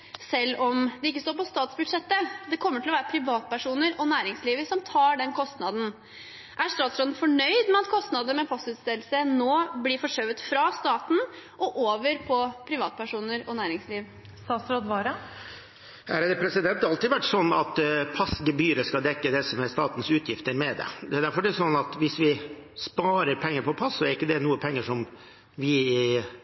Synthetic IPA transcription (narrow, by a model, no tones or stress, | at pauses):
sɛlːɔmd̪ɛɪkːəst̪oːɾpɔst̪ɑːt̪sbʉd̪ʂɛt̪ːəd̪ɛkʰɔmːəʈʰɪlɔʋæːɾəpʰɾɪʋɑːt̪̚pæʂuːnəɾɔnæːɾɪŋsliːʋəsɔmt̪ʰɑːɖɛnkʰɔst̪nɑd̪n̩ | ʔæʂt̪ɑːt̪sɾoːd̪n̩fɔɳœʏd̪mɛɑt̪kʰɔst̪nɑd̪əmɛpʰɑsʉːt̪st̪ɪlsənoːblɪfɔʂœʋət̪fɾɑst̪ɑːt̪n̩ | ʔɔʔoːʋəɾpʰɔpʰɾɪʋɑːt̪pʰæʂuːnəɾɔnæːɾɪŋsliːʋ | st̪ɑːt̪sɾoːd̪ʋɑːɾɑ | æɾɑd̪əpʰɾɛsɪd̪ɛnt̪ɑːɾɑlt̪ɪd̪ʋæʈːsɔnːɑt̪pʰɑsɡəbyːɾəskɑd̪ɛkːəd̪ɛsɔmæst̪ɑːt̪n̩sʉːt̪ʰjɪft̪əɾmɛd̪ɛ̰d̪ɛæd̪æɾfɔɖɛsɔnːɑt̪ʋɪsʋɪspɑːɾəɾpʰɛŋːəɾpʰɔpʰɑsːɔɛɾɪkːəd̪ɛnuːəpʰɛŋːəʂɔm | ʋɪɪ